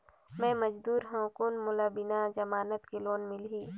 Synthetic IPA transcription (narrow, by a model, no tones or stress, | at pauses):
mɛ̃ːməd͡ʒd̪uːɾɦɛ̃konmʊlabɪnad͡ʒɐmaːnət̪kiloːnmɪlɦiː